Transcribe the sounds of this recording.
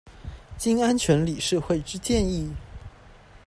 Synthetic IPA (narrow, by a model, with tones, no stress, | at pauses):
t͡ɕi˥ŋa˥nt͡ɕʰɥɛ˧˥nli˨˩ʂɻ̩˥˧xwe˥˩ɪʈ͡ʂɻ̩˥t͡ɕjɛ˥˧ni˥˩